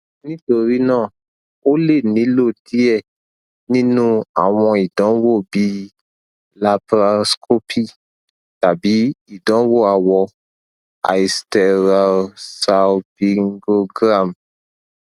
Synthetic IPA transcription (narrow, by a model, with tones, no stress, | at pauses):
nĩ˦to˧ɾi˦nãː˦˨ | o˦le˦˨nĩ˨˦lo˦˨di˨˦ɛ˦˨ | nĩ˦nũ˦a̰˦˨w̃ɔ̃˧i˨dɔ̃˨˦wo˦˨bi˦ | la˧pɾa˧skʰo˦pʰi˦˨ | ta˨bi˨˦i˦˨dɔ̃˨˦wo˦˨a˧wɔ˧ | a̰˨i˨stɛ˧ɾa˧lsa˧pi˧ŋɡo˧ɡɾa˦˨m